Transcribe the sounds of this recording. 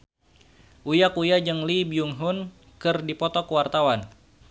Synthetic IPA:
ʔujakujad͡ʒəŋlibiuŋɦʊn | kɨrdipɔt̪ɔkəwart̪awan

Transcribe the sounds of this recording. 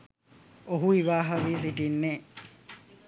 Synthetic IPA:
oɦuiʋaːɦɐʋiːs̬iʈinːeː

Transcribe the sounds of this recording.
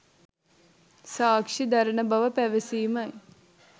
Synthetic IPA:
saːkʂid̪aɾənəbaʋəpæʋesiːmɐj

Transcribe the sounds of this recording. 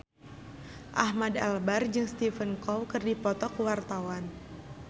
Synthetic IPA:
ʔahmadalbard͡ʒɨŋst̪ifənkɔwkɨrdipɔt̪ɔkuwart̪awan

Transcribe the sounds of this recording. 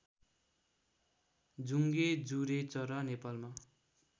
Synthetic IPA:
d͡zuŋɡed͡zuɾet͡sʌɾʌnepalma

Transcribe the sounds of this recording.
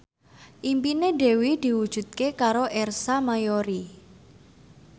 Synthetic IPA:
ʔimpineɖe̤wid̪̥i̤wud̥ʒ̥ṳt̪̚kekaɾoʔɛrsamajoɾi

